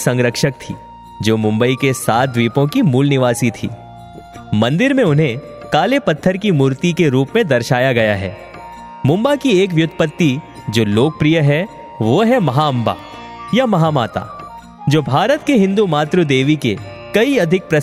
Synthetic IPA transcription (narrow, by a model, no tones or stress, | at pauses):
sɐ̃ŋɡɾəkʃək̚t̪ʰḭː | d͡ʒoːmʊ̃mbəikesaːt̪̚ʋiːpõkimuːlnɪʋaːsit̪ʰḭː | mɐ̃nd̪ɪɾmẽʊnɦẽ | kaːlepɐt̪ʰːəɾkimuːɾt̪ikeɾuːpmẽd̪ɐɾʃaːjaɡɐjaɦɛ̰ː | mʊ̃mbakieːk̬ʋjʊt̪ʰːə̥pət̪ːi | d͡ʒoːloːk̚pɾijəɦɛ | ʋoɦɛmɐɦaɐ̃mba̰ː | jamɐɦaːma̰ːt̪a̰ː | d͡ʒoːbʱaːɾət̪keɦɪ̃nd̪umaːt̪ɾud̪eːʋike | kɐiɐd̪ʱɪk̚pɾɐ